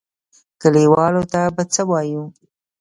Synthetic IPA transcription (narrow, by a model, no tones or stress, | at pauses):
kəliwɑlot̪abat͡səwɑju